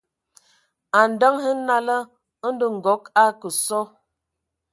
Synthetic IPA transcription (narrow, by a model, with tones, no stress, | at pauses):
a˨n̩˨da˦ŋhə˦na˦lə˦ | n̩˦də˨ŋ̩˨ɡɔ˨˦ka˦kə˨sɔ˦